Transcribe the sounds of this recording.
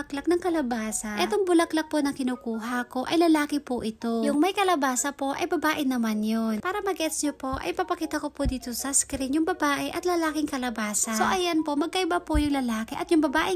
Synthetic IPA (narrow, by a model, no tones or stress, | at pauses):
ɐklak̚nɐŋkɐlɐbaːsɐʔɛt̪oŋbʊlɐklɐk̚ponɐŋkɪnuːkuːɦɐko̞ʔɐjlɐlaːkɪpʊʔɪt̪ojʊŋmɐjkɐlɐbaːsɐpo̞ʔɐ̰jbɐbaːʔɪnɐmanjonpaːɾɐmɐɡɛt̪sɲopo̞ʔɐ̰jpɐpɐkiːt̪ɐko̞pod̪iːt̪osɐskɾɪnjʊŋbɐbaːʔɛʔɐt̪lɐlaːkɪŋkɐlɐbaːsɐsoʔɐjanpo̞mɐɡ̚kɐʔɪbapojʊŋlɐlaːkɪʔɐt̪jʊŋbɐbaːʔɪ